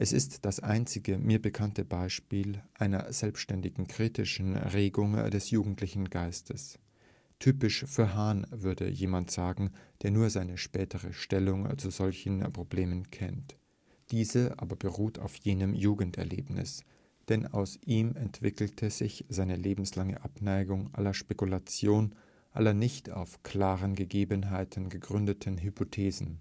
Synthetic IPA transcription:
ʔɛsɪstd̥asʔa̰ɪnt͡sɪɡəmiːɐbəkʰantəbaɪʃpiːlʔaɪnɐ̰z̥ɛlpsʃtɛndɪɡŋ̩kʁ̥iːtɪʃn̩ʁeːɡʊŋdɛsjuːɡŋ̩tʰlɪçn̩ɡaɪstəs | tʰyːpɪʃfyːɐɦaːnvʏɐdə̰jeːmantz̥aːɡŋ̩d̥eːɐnuːɐzaɪnəʃpɛːtəʁəʃtɛlʊŋt͡suzɔlçn̩pʁ̥obleːmənkʰɛnt | d̥iːzəʔa̰ːbɐbəʁuːtʰa̰ʊfjeːnəmjuːɡn̩tɛ̰ɐlḛːpnɪ̰s | d̥ɛna̰ʊsʔiːmɛntv̥ɪkl̩tʰəz̥ɪçz̥aɪnəleːbm̩slaŋə̰ʔapnaɪɡʊŋʔa̰lɐʃpekulat͡sjoːn | ʔa̰lɐnɪçtʰa̰ʊfkʰl̥aːʁənɡəɡeːbənɦaɪtʰn̩ɡəɡʁʏndətʰnɦypʰotʰeːzn̩

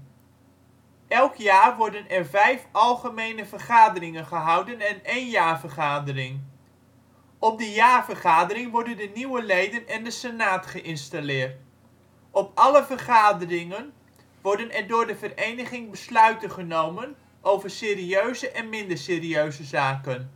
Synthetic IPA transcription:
ʔɛlˠkjaːɹʋɔɹdənɛɹvɛjfɑlˠχəmejnəvəɹχaːdərɪŋənχəɦɑwdənɛnejnjaːɹvəɹχaːdərɪŋ | ɔp̚dəjaːɹvəɹχaːdəɾɪŋʋɔɹdəndəniwəlejdənɛndəsənaːtχəʔɪnstalɪːɹt | ɔpɑləvəɹχaːdərɪŋən | ʋɔɹdənɛɹdʊːɹdəvərejnəχɪŋbəslœɥtəχənowmən | ʔowvəɹsɪːɾiøɥzəʔɛnmɪndəɹsɪːriøɥzəzaːkən

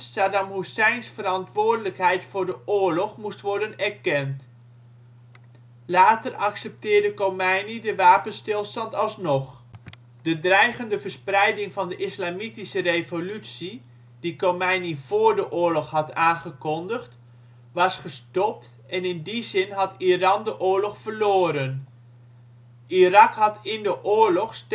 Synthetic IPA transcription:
sadamɦusɛjnsfərɑntʋʊːɹdələkɦɛjtfʊːɹdəʔʊːɹlɔχmustʋɔɹdənɛɹkɛnt | laːtərʔɑksɛp̚tɪːɹdəkomɛjnidəʋaːpənstɪlˠstɑntɑlˠsnɔχ | d̥ədrɛjχəndəvəɹsprɛjdɪŋvɑndəʔɪslaːmitisərejvolytsi | dikomɛjniv̥oːɹdəʔʊːɹlɔχɦɑtaːnχəkɔndəχt | ʋɑsχəstɔp̚t | ɛnɪndizɪnɦɑtirɑndəʔʊːɹlɔχfərloːɾən | ʔirɑkɦɑtɪndəʔʊːɹlɔχst

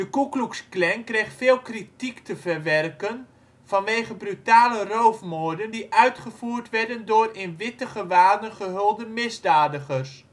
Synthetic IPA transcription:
dəkukluksklɛŋkrejχtfɪːlˠkritiktəvərʋɛrkən | v̥ɑnʋejχəbrytaːlərowfmoːdəndiʔœɥtχəv̥uːrtʋɛrdəndʊːrɪnʋɪtəχəʋaːdənχəɦølˠdəmɪzdaːdəχəs

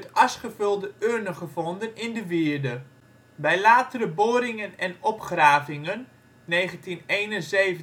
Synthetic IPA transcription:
tɑsχəvølˠdəʔønəχəvɔndənɪndəʋɪəɹdə | bɛjlaːtəɾəboːɾɪŋənɛnɔpχraːvɪŋənː | eːɣəntinejnənzeːvə

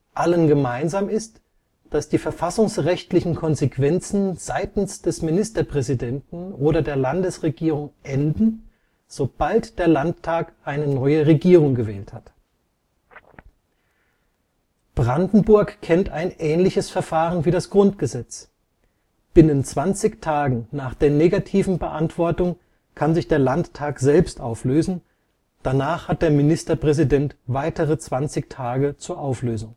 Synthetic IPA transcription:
ʔalənɡəmaɪnzaːmɪst | d̥asd̥iːfɛɐfasʊŋsʁɛçtlɪçn̩kʰɔnzekv̥ɛnt͡sn̩z̥aɪtn̩sd̥ɛsmɪnɪstɐpʁ̥ɛzidɛntn̩ʔoːɾɐdeːɐlandəsʁeɡiːʁʊŋʔɛndn̩ | z̥ob̥altd̥eːɐlanttʰːaːkʔaɪnənɔʏəʁeɡiːʁʊŋɡəvɛ̰ːlthat | b̥ʁandn̩bʊɐkkʰɛntaɪnʔɛːnlɪçəsfɛɐfaːʁənviːdasɡ̥ʁʊntɡ̥əzɛt͡s | b̥ɪnənt͡sv̥ant͡sɪçtʰaːɡŋ̩naːχd̥eːɐneːɡatʰiːvn̩bəʔantv̥ɔɐtʊŋ | kʰanzɪçd̥eːɐlanttʰaːkz̥ɛlpstʔaʊfløːzn̩ | d̥anaːχhat̚d̥eːɐmɪnɪstɐpʁ̥ɛzidɛntv̥aɪtəʁət͡sv̥ant͡sɪçtʰaːɡət͡suːɐʔaʊfløːzʊŋ

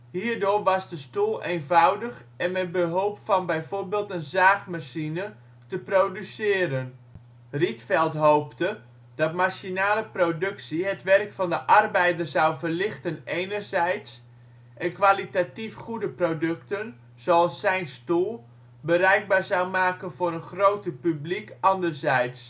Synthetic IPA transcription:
hiːrdʊːrʋɑsdəstulˠeːnvawdəx | ʔɛnmɛt̚bəɦoːpfɔnbɛjvoːrbeːlˠtənzaːxmaʃinə | təproːdysɪːɾən | ritfɛlˠtɦowptə | d̥ɑtmaʃinaːləprodɵksiɦətʋɛrkfɔndəʔɑrbɛjdərzawvərlɪxtənejnərzɛjts | ʔɛnkʋalitatifχudəprodɵktən | z̥oɑlˠsːɛjnstulˠ | bərɛjɡ̚baːrzawmaːkənvʊːɾənxrowtəpyblikɑndərzɛjts

